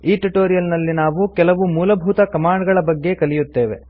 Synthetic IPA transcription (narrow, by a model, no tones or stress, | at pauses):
iːʈuʈoːɾijɐlnɐlːinaːʋukɛlɐʋumuːlɐbʱuːt̪ɐkɐmaːɳɖɡɐɭɐbɐɡːe̞kɐlijut̪ːe̞ːʋe̞̰